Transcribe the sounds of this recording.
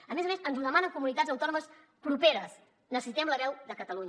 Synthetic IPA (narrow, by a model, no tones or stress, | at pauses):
əmezəmesənzuðəmanəŋkumunit̪ad͡zəwt̪ɔnuməs | pɾupeɾəs | nəsəsit̪ɛmləβɛwd̪əkət̪əluɲ